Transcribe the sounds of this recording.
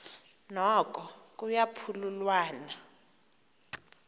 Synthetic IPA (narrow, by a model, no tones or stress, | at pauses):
nɔkʼɔk̬ʼujapʰululwaːna